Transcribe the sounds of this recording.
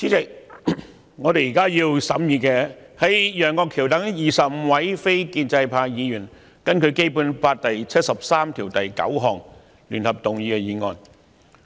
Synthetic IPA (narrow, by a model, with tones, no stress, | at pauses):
t͡sʰiː˨˥t͡sɪ˨k̚ | ŋɔː˨˧t̪e˨jiː˨˩kaː˥jiː˧wsɐ˨˥mjiː˨˧kɛː˧ | hɐ˨˥jjœː˨˩ŋkɔː˧kʰːiː˨˩wt̪ɐ˨˥ŋjiː˨sɐ˨p̚m̩˧˥wɐ˨˥jfe˥jkiː˧nt͡sɐ˧jpʰaː˧jiː˨˧jyː˨˩n | kɐ˥nkʰɵ˨˧ɥke˥jpu˨˥npaː˧t̚t̪ɐ˨jt͡sʰt̚sɐ˨p̚saː˥mt̪ʰiː˨˩wt̪ɐ˨jkɐ̰˨˥wɦɔː˨˩ŋ | lyː˨˩nhɐ˨p̚t̪ʊ˨ŋjiː˨˧kɛ˧jiː˨˧ŋɔː˨˧n